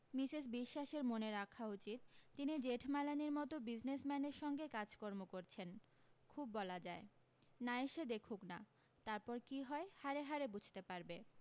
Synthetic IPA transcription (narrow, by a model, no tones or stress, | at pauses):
misis̬biʃːaʃeɾmoneɾakʰaut͡ɕit̪ːinid͡ʑeʈʰmalaniɾmɔt̪obid͡ʑnesmɛneɾʃɔŋɡekad͡ʑkɔɾmokoɾt͡ɕʰen | kʰubːɔlad͡ʑae | naeʃed̪ekʰukna̰ | t̪aɾpɔɾkiɦɔehaɾeɦaɾebud͡ʑʱt̪epaɾbe